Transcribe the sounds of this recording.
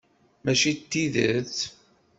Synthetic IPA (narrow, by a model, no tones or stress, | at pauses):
mæʃit̪ːiðəθ